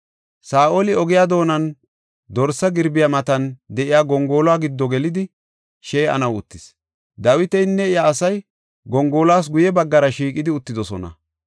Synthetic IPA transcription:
saːʔolɪɔɡɪjaːd̪o̞ːnɐn | d̪ɔɾsɐɡɪɾbɪjamɐt̪ɐnd̪ɛʔɪjaːɡɔŋɡo̞ːlaːɡɪd̪ːɔɡɛlɪd̪ɪ | ʃɛjɐ̰nɐwʊt̪ːɪs | d̪ɐwɪt̪ɛjnːɛɪjaːsɐj | ɡɔŋɡo̞ːlaːs̬ɡʊjɛbɐɡːɐɾɐʃiːkʼːɪd̪ɪʊt̪ːɪd̪ɔsɔ̰nɐ̰

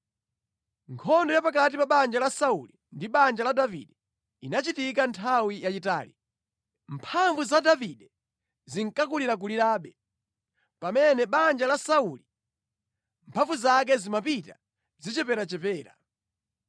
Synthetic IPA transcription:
ŋkʰɔndɔjapak̬atipaɓand͡ʒalasauli | ndiɓand͡ʒaladavḭɗɛ | inat͡ʃitikantʰawijat͡ʃita̰ːli | mpʰaɱvuzadaviɗɛ | ziŋkakuliɾak̬uliɾaːɓɛ | pamɛnɛɓand͡ʒalasauli | mpʰavuzak̬ɛzimapita | zit͡ʃɛpɛɾat͡ʃɛpɛːɾa̰

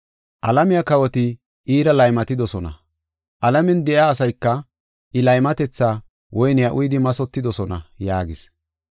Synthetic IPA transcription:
ʔɐlɐmɪjɐkɐwɔt̪ɪ | ʔiːɾɐlɐjmɐt̪ɪd̪ɔsɔnɐ̰ | ʔɐlɐmɛnd̪ɛʔɪaːsɐjkːɐ | ʔɪlɐjmɐt̪ɛt͡sːaː | wɔjnɪjɐʔʊjɪd̪ɪmɐsɔt̪ːɪd̪ɔsɔnɐ̰jaːɡɪs

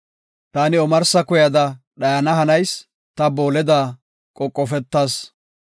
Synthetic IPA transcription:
t̪aːnɪɔmɐɾsɐkʊjɐd̪ɐ | ɗɐjɐnɐɦɐnɐjs | t̪ɐbo̞ːlɛd̪aː | kʼɔkʼːɔfɛt̪ːaːs

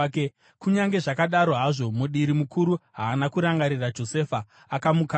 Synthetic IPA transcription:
kuɲaŋɡe̞ʐakaɗaɾo̞ɦaʐo̞muɗiɾimukʰuɾuɦaːnakuɾaŋɡaɾirad͡ʒo̞se̞faː | kamuka

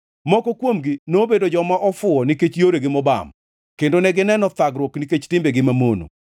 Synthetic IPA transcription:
mɔkɔkwomɡɪnobedod͡ʒɔmaʔɔfʊɔniket͡ʃjoɾeɡɪmɔba̰m | kendonɛɡɪnɛnɔt̪aɡɾwokniket͡ʃtɪmbeɡɪmamono̰

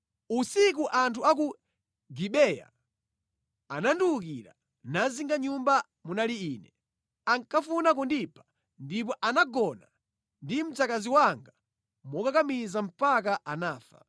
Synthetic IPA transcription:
usik̬uʔantʰuak̬u | ɡiɓɛja̰ | ananduuk̬iɾa̰ | naziŋɡaɲumba | munaliiːnɛ | aŋkʰafunak̬undipʰḁ | ndip̬ɔʔanaɡɔna | ndim̩t͡sakaziwaŋɡa | mɔkakamizam̩pak̬aʔanaːfa̰

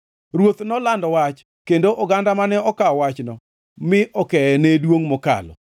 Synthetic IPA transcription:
ɾwot̪nɔlandɔwat͡ʃ | kendoʔɔɡandamanɛɔkaɔwat͡ʃnɔ | mɪʔɔkɛɛnedwoŋmɔka̰lɔ̰

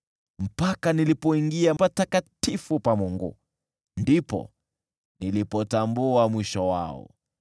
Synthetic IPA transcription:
m̩pakanilipɔiŋɡiaatakatifupamuŋɡṵ | ndipɔ̰ | nilipɔtambuamwiʃɔwa̰ɔ̰

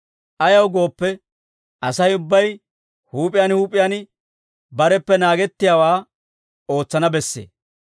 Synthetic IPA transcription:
ʔɐjɐwɡo̞ːpːɛ | ʔɐsɐjʊbːɐj | huːpʼːɪjaːnhuːpʼːɪjan | bɐɾɛpːɛnaːɡɛt̪ːɪjaːwaː | o̞ːt͡sːɐnɐbɛsːḛː

